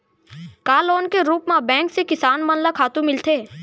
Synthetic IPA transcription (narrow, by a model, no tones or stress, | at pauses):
kaːloːnkeɾuːpmãbɛ̃ːŋksekɪsaːnmɐnlakʰaːt̪ũmɪlt̪ʰeː